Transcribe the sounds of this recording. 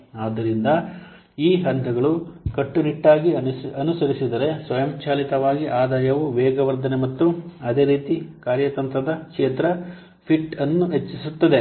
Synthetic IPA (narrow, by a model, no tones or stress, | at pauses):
aːd̪ːɐɾind̪ɐ | iːɦɐnd̪ʰɐɡɐɭukɐʈːuniʈːaːɡiɐnusɐɾisid̪ɐɾe̞sʋɐjɐmt͡ʃaːlit̪ɐʋaːɡiʔaːd̪aːjɐʋuʋɛːɡɐʋɐɾd̪ʱɐnemɐt̪ːuɐd̪e̞ːɾiːt̪ikaːɾjɐt̪ɐnt̪ɾɐd̪ɐkʂeːt̪ɾɐ | pʰiʈɐnːuɦet͡ʃːisut̪ːɐd̪e̞